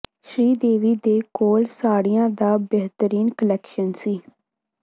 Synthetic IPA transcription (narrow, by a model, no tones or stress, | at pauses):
ʃɾiːd̪eːʋiːd̪eːkoːlsaːɽijãːd̪aːbɛɦt̪əɾiːnkəlɛːkʃənsiː